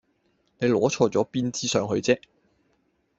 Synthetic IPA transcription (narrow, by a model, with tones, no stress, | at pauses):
ne˨˧jlɔː˨˥t͡ʃʰɔː˧t͡sɔː˨˥piː˥nt͡siː˥sœː˨˧ŋɦɵ˧ɥt͡sɛː˥